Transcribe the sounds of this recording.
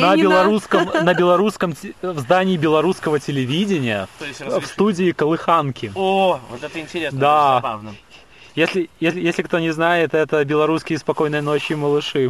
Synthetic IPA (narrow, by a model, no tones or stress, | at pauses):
nəbʲɪlˠɐɾuskəmnəbʲɪlˠɐɾuskəmvzd̪anʲɪːbʲɪlˠɐɾuskəvətʲɪlʲɪvʲidʲɪnʲɪjəfst̪udʲɪɪkəlˠɨxankʲɪovot̪ɛt̪əɪnʲtʲɪɾʲesd̪avn | jesʲlʲɪjesʲlʲɪjesʲlʲɪkt̪o̞nʲɪznajɪt̪ɛt̪əbʲɪlˠɐɾuskʲɪjəspɐko̞jnəjnot͡ɕːɪməlˠɨʂɨ